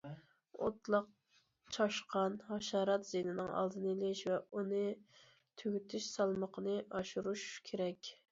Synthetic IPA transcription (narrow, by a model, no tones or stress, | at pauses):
ot̪lˠɑq̚ | t͡ʃʰɑʃqʰɑnhɑʃɑːɾɑt̪z̥enɪnɨŋʔɑ̰lˠd̪ɨnlɪʃvɛunɨ | t̪ʰyɡʲyt̪ʰyʃsɑlˠməqʰənɨʔɑʃuɾuʃkʲʰeɾɛkʲ